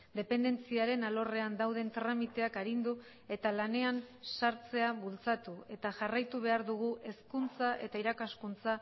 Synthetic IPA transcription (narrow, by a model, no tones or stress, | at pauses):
d̪e̞pe̞nd̪e̞nt͡siaɾe̞nalo̞re̞and̪awðe̞nt̪ɾamit̪e̞akaɾind̪u | e̞t̪alane̞ansaɾt͡se̞aβult͡sat̪ue̞t̪aʝarajt̪uβ̞e̞aɾðuɣ̞uʔe̞skunt͡saʔe̞t̪aiɾakaskunt͡sa